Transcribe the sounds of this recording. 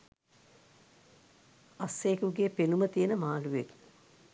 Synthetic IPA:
ɐsːeːkuɡeːpenumət̪ijənəmaːluʋet

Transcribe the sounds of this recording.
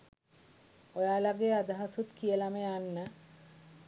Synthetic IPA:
ojalaɡead̪aɦasut̪kiəlameanːə

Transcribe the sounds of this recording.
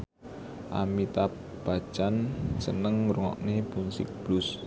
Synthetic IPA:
ʔamit̪ap | b̥ḁt͡ʃansənəŋmɾuŋɔ̰ʔnebunsɪ̰k̚b̥lʊs

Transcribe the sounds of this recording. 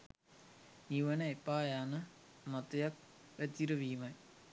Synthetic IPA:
niʋɐnɐepːaːjaːnɐ | mot̪ɐjɐk̚ | ɾɐt̪iɾɐʋiːmɐj

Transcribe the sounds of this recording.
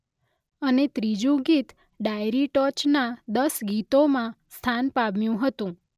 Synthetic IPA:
ənet̪ɾid͡ʒũɡit̪ | ɖajɾiʈɔt͡ʃnad̪əsɡit̪omãst̪ʰanpabjũɦət̪ũ

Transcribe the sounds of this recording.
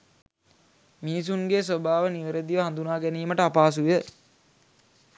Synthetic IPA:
minis̬uŋɡeːs̬obaːʋəniʋəɾed̪iʋəɦand̪unaːɡæniːməʈəapaːsujə

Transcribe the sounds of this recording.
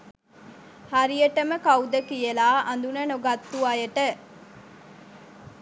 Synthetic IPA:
haɾijeʈəməkɐwd̪əkijelaːʔɐnd̪unɐnoɡat̪ːuajəʈə

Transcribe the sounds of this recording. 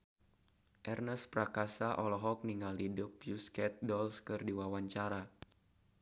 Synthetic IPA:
ʔɛrnəspɾakasaʔɔlɔɦɔk̚niŋalidʊpjuskɛt̪̚dɔlskɨrdiwawaɲt͡ʃaɾa

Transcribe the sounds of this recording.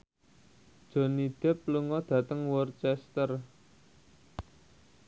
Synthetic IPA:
d̥ʒ̥o̤nid̪̥ɛ̤p̚luŋɔd̪̥ä̤t̪əŋwɔrt͡ʃɛst̪ər

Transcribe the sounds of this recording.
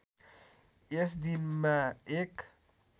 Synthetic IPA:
esd̪inmaek

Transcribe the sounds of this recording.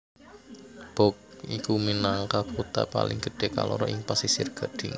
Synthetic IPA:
b̥ɔk̚ikuminaŋkaput̪a̰pa̰lɪ̰ŋɡə̤ɖ̥e̤ka̰lʔɔɾɔʔɪŋpasisɪrɡ̥a̤ɖ̥ɪŋ

